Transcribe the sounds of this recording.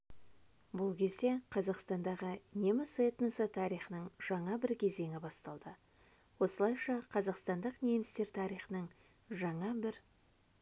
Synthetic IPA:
bʊlˠkʲʰe̞zd̪e̞qʰɑzɑqst̪ɑnd̪ɑʁənʲemɪset̪nəsət̪ʰɑɾijχənəɴʒ̥ɑɴɑbɪɾkʲʰe̞ze̞ŋʲɪbɑst̪ɑlˠd̪ə | wo̞səlˠɑjʃɑqʰɑzɑqst̪ɑnd̪əqnʲe̞mɪst̪e̞ɾt̪ʰɑɾijχənəɴ | ʒɑɴɑbɪɾ

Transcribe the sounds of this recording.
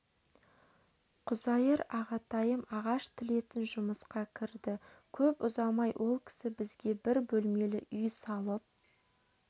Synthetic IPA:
qʰʊzɑjəɾɑʁɑt̪ɑjəmɑʁɑʃt̪ʰɪle̞t̪ɪnʒʊməsqɑkʲʰɪɾd̪ɪkʲʰɵpʊzɑmɑjwʔo̞lˠkʲʰɪ̥sɪbɪzɡʲe̞bɪɾbɵlme̞lɪ̰ʔʏjsɑlˠəp̚

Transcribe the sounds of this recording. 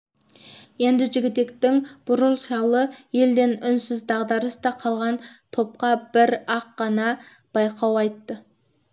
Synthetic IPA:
je̞nd̪ɪʒɪɡʲɪt̪e̞kt̪ɪŋb̥ʊɾəlˠʃɑlˠəje̞ld̪e̞nʏnsɪzd̪ɑʁd̪ɑɾəst̪ɑqʰɑlˠʁɑnt̪ʰo̞p̚qɑb̥ɪɾɑqːɑnɑ | b̥ɑjqʰɑwɑjt̪ːə

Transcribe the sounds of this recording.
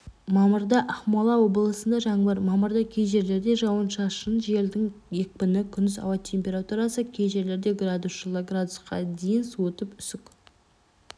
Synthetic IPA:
mɑməɾd̪ɑʔɑχmɑlˠɑwo̞bəlˠəsənd̪ɑʒɑɴbəɾmɑməɾd̪ɑkʲʰe̞jʒe̞ɾle̞ɾd̪e̞ʒɑwənʃɑʃənʒe̞ld̪ɪŋe̞k̚pɪnɪkʲʰʏnd̪ɪzɑ̰wɑt̪ʲʰe̞mʲpʲe̞ɾat̪uɾɑsəkʲʰejʒe̞ɾle̞ɾd̪e̞ɡrad̪usʒlˠoɡrad̪ʊsqɑ̰d̪ejɪnswot̪əpʏsʏk

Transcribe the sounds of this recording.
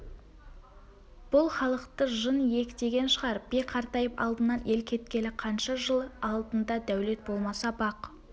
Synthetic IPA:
b̥ʊlˠχɑlˠəqt̪əʒənje̞kʲɪd̪e̞ɡʲe̞nʃəʁɑɾb̥eqʰɑɾt̪ɑjəpɑ̰lˠd̪ənːɑnʔe̞lkʲʰe̞t̪̚kʲe̞lɪqʰɑnʃɑʒəlˠɑlˠd̪ənd̪ɑd̪æwle̞t̪̚bo̞lˠmɑsɑbɑq

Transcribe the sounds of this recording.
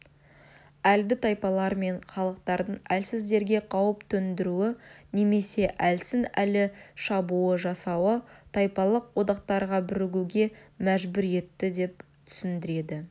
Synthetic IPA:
æld̪ɪt̪ʰɑjpɑlˠɑɾme̞ɴχɑlˠəq̚t̪ɑɾd̪əɴælsɪzd̪e̞ɾɡʲe̞qʰɑwəpt̪ʰɵnd̪ɪɾuɪne̞me̞se̞ʔælsɪnælɪʃɑbuəʒɑsɑwət̪ʰɑjpɑlˠəqwo̞d̪ɑq̚t̪ɑɾʁɑbɪɾɪɡʲuɡʲe̞mæʒbʏɾe̞t̪ːɪd̪e̞p̚ | t̪ʰʏ̥sɪnd̪ɪɾe̞d̪ɪ

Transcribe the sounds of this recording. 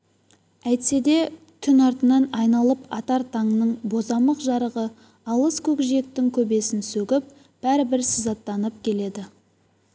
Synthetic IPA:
æjt̪se̞d̪e̞ | kʲʰʏnɑɾt̪ənɑnɑjnɑlˠəpɑt̪ɑɾt̪ʰɑŋnəɴbo̞zɑməqʒɑɾəʁə | ɑlˠəskʲʰɵkʒe̞k̚t̪ɪŋkʲʰɵbe̞sɪnsɵɡʲɪp̚ | b̥æɾɪbɪɾsəzɑt̪ːɑnəp̚kʲʰe̞le̞d̪ɪ

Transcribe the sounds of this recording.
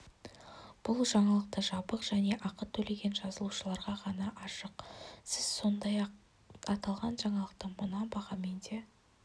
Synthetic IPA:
b̥ʊlˠʒɑɴɑlˠəq̚t̪əʒɑbəqʒ̥æne̞ʔɑqət̪ʰːɵle̞ɡʲe̞nʒɑzəlˠuʃəlˠɑɾʁɑʁɑnɑʔɑʃəqsɪz̥so̞nd̪ɑjɑq | ɑt̪ɑlˠʁɑnʒɑɴɑlˠəq̚t̪əmənɑbɑʁɑme̞nd̪e

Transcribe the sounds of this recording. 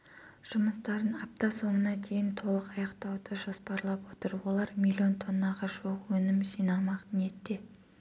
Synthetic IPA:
ʒ̥ʊməst̪ɑɾənɑp̚t̪ɑso̞mənɑt̪ʰe̞jɪnt̪ʰo̞lˠəqɑjɑqt̪ɑwd̪əʒo̞spɑɾlˠɑpwo̞t̪əɾwo̞lˠɑɾmilʲio̞nt̪ʰo̞nːɑʁɑʒuʁwɵnɪmsijnɑlˠmɑq̪ne̞t̪ːe

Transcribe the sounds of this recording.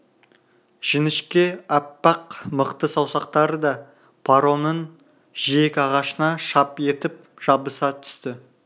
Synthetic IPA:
ʒ̥ɪnɪʃkʲe̞æpːɑqməqt̪əsɑwsɑq̚t̪ɑɾəd̪ɑ | pʰaɾo̞nən | ʒ̥ijekʲɑʁɑʃənɑʃɑpe̞t̪ɪp̚ | ʒ̥ɑbəsɑt̪ʰʏ̥st̪ɪ

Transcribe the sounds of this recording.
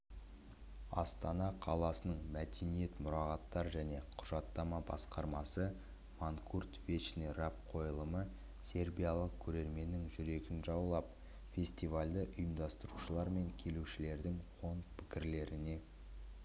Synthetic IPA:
ɑ̰st̪ɑnɑqʰɑlˠɑsənəɴmæd̪e̞nije̞t̪mʊɾɑʁɑt̪ːɑɾʒæne̞qʰʊʒɑt̪ːɑmɑbɑ̰sqɑɾmɑsə | maŋkʰurt̪veʃnerɑp̚qʰo̞jlˠəmə | sʲe̞ɾbijalˠəq̚kʲʰɵɾe̞ɾme̞nːɪŋʒʏɾe̞ɡʲɪnʒɑwlˠɑp | fʲe̞sʲt̪ivalʲd̪əʔʊjəmd̪ɑst̪əɾuʃəlˠɑɾme̞ŋkʲʰe̞luʃɪle̞ɾd̪ɪŋwo̞nt̪pʰɪ̥kʲɪɾle̞ɾɪne̞

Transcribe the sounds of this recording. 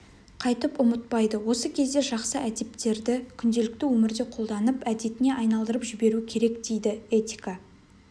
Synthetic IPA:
qʰɑjt̪əpʊmət̪̚pɑjd̪əwo̞səkʲʰe̞zd̪e̞ʒɑqsəʔæd̪e̞p̚t̪e̞ɾd̪ɪkʲʰʏnd̪e̞lɪkt̪ɪwɵmɪɾd̪e̞qʰo̞lˠd̪ɑnəpæd̪e̞t̪ɪne̞ʔɑjnɑlˠd̪əɾəpʒɪbe̞ɾuɪkʲʰe̞ɾe̞kd̪e̞jd̪ɪe̞t̪ʲika

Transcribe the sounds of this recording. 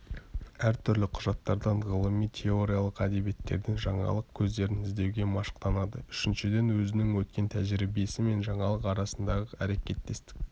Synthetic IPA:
æɾt̪ʰʏɾlɪqʰʊʒɑt̪ːɑɾd̪ɑɴʁəlˠəmijt̪ʰe̞o̞ɾijɑlˠəqæd̪e̞bije̞t̪ːeɾd̪ɪŋʒɑɴɑ̰lˠəq̚kʲʰɵzd̪e̞ɾɪnɪzd̪e̞wɡʲe̞mɑʃə̥qt̪ɑnɑd̪əʏʃɪnʃɪd̪e̞nwɵzɪnɪŋwɵt̪̚kʲe̞nt̪ʰæʒɪɾibe̞sɪme̞nʒɑɴɑlˠəqɑɾɑsənd̪ɑʁəæɾe̞kʲe̞t̪ːe̞st̪ɪ̥k̚ʲ

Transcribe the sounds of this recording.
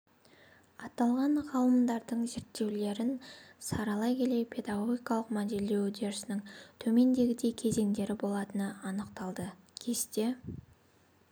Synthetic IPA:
ɑt̪ɑlˠʁɑɴʁɑlˠəmd̪ɑɾd̪əɴze̞ɾt̪ːe̞wle̞ɾɪnsɑɾɑlˠɑjkʲʰe̞le̞jpʲʰe̞d̪aɡo̞ɡʲijkɑlˠəqmæd̪e̞le̞wd̪e̞ɾsnɪŋt̪ʰɵme̞nd̪e̞ɡʲɪd̪e̞kʲʰe̞ze̞ŋd̪e̞ɾɪbo̞lˠɑt̪ənəɑnəqt̪ɑlˠd̪ə | kʲʰe̞st̪e̞

